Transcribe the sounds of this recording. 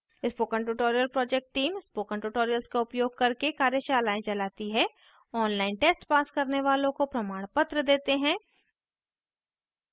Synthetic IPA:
ɪspoːkə̃ɳʈ̬uʈoːɾijəlpɾɔːd͡ʒɛk̚ʈːiːmɪspoːkə̃ɳʈuʈoːɾijəlskaʊpjoːɡ̚kɐɾkekaːɾjəʃaːlaːẽd͡ʒɐlaːt̪iɦɛ | ɔːnlaːɪnʈeːsʈpaːskɐɾneʋaːlõkopɾɐmaːɽ̃pət̪ɾəd̪eːt̪eɦɛ̃ː

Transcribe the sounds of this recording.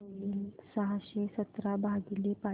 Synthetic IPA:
jiːlsəɦaɕesət̪ɾabʱaɡilepa

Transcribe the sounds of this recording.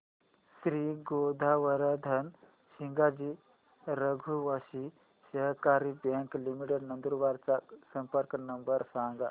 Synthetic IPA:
sɾiːɡod̪ʱaʋəɾəd̪ʱən | ɕiŋɡad͡ʑiː | ɾəɡʱuʋaɕi | ɕəɦkaɾibjɛ̃ŋklimiʈeɖnənd̪uɾʋaɾt͡sasəmpəɾknəmbəɾsãŋɡa

